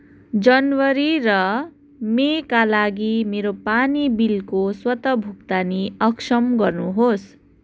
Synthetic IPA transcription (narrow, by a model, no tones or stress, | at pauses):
d͡zʌnwʌɾirʌ | mekalaɡimeɾopanibilkoswʌt̪ʌbʱukt̪aniʌksʌmɡʌrnuɦos